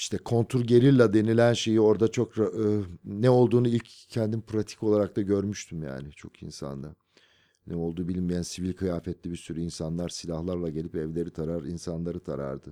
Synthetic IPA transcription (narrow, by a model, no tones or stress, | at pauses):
iʃt̪ʰɛkʰo̞nt̪ʰuɾɟe̞ɾʲiɾlʲɛd̪e̞nilʲænʃe̞jio̞ɾd̪at͡ʃʰo̞kɾaɯnɛo̞lˠd̪uːnuilʲcʰːɛnd̪inpɾat̪ʰi̥co̞lˠaɾak̚t̪ʰaɟø̞ɾmyʃt̪ʰymja̰ːnɪt͡ʃʰo̞̰kḭnsa̰nd̪a | nɛo̞lˠd̪uːbilʲmijænsivilʲkʰɯjaːfɛt̪lʲibiɾsyɾyinsanlˠaɾsilʲahlˠaɾlˠaɟe̞lʲipɛvlʲe̞ɾit̪ʰaɾaɾinsanlˠaɾɯt̪ʰaɾa̰ɾd̪ɯ